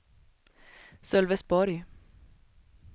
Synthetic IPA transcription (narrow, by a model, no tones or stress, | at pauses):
sœlʋəsbɔɾj